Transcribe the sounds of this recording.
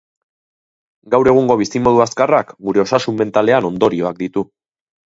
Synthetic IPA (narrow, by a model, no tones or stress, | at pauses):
ɡawɾe̞ɣ̞uŋɡo̞β̞isimo̞ðuaskarakɡuɾe̞o̞sasumːe̞nt̪ale̞ano̞nd̪o̞ɾio̞ak̚d̪it̪u